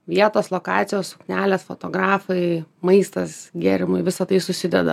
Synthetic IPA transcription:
ʋʲiɛt̪oːslˠoːkɑːt̪sʲɪjoːsʊknʲæːlʲeːsfo̰t̪oːɡɾɑːfɐɪmɐɪst̪ɐsɡʲɛɾʲɪmʊɪʋʲɪsɐt̪ɐɪsʊsʲɪd̪ʲɛd̪ɐ̰

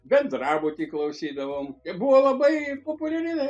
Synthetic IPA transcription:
bʲɛt̪d̪rɑːbʊt̪ʲiːklˠɐʊsʲiːd̪ɐʋoːmɛbʊʋoːlˠɐbɐɪpoːpʊlʲɛɾʲɪɛ

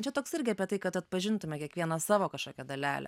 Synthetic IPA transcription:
t͡ʃʲɛt̪oːksɪɾʲɡʲɪɑːpʲiɛt̪ɐɪkɐt̪ɐt̪̚pɐʒʲɪnt̪ʊmʲɛkʲiɛkʋʲiɛnɐsɑːʋoːkɐʃkoːkʲɛd̪ɐlʲæ̰ːlʲɛ̰

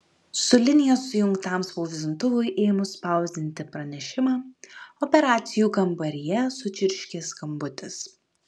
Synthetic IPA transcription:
sʊlʲɪnʲɪjoːsːʊjʊŋkt̪ɑˑmsʋoːʋʲɪzʲʊnt̪ʊʋʊɪʔɛːmʊspɑˑʊzʲd̪ʲɪnʲt̪ʲɪpɾɐnʲɛʃʲɪmɑːɔpʲɛɾɑːt̪sʲɪjuːkɐmbɐɾʲɪjɛsʊt͡ʃʲɪɾʲʃʲkʲeːskɐmbʊt̪ʲɪs

